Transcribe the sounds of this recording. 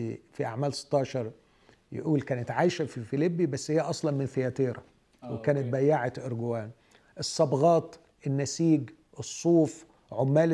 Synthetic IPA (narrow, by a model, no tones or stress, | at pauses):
fiʔa̰ʕmæːlse̥t̪ːɑːʃɑɾˤ | jɪ̰ʔuːlkæːnet̪ʕaːjʃæfifilibːibæsːhɪjːæʔɑsˤlɑnmɪnθejæt̪eːɾɑ̰ | wekæːnet̪̚bæjːaʕat̪ʔɪɾɡʊwæːn | ʔɨsˤːɑbɣɑːt̪ | ʔɪnːæsiːɡ | ʔɨsˤːuːf | ʕomːæːl